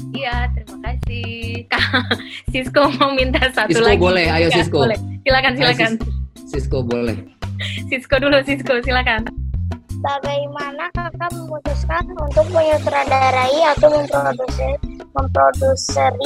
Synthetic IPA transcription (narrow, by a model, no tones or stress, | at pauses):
ijat̪əɾimakasihkasiskoməmint̪asat̪sulobolɛhajasiskolɛsilakans̬ilakansiskobolɛ̰hsiskodulusiskosilakan | baɡajmanakakaməmut̪uskanunt̪ʊk̚puɲat̪əɾadaɾaiat̪aməmpɾodusəməmpɾodusər